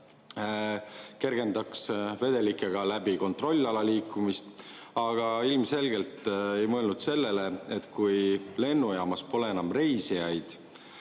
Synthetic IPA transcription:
ke̞rɡ̥e̞nd̪̥ɑksve̞d̪̥e̞likːˑeɡ̥ɑlæbiko̞nt̪ro̞lʲːɑlɑliːkːˑumist̪ | ɑɡ̥ɑilmse̞lɡ̥e̞lt̪ˑejmɤelnud̪̥se̞lːe̞leet̪ˑkujle̞nːujɑːmɑspo̞leenɑmre̞jsijɑjd̪̥

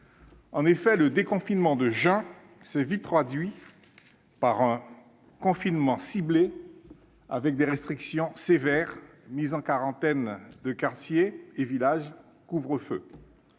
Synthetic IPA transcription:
ɑ̃nefɛləd̪ekɔ̃finmɑ̃d̪əʒɛ̃ | sɛvit̪ʁad̪ɥi | paʁɛ̃ | kɔ̃finmɑ̃sible | avɛk̚d̪eʁɛst̪χiksjɔ̃sevɛʁ | mizɑ̃kaʁɑ̃t̪ɛnd̪əkaʁt̪jeevilaʒ | kuvʁəfø̰

